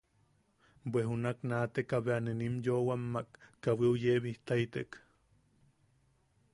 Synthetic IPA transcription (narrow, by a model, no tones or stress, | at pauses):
bʷweɦunaknat̪ekaβeanenimjowamːakːaβiujeβiht̪ajt̪ek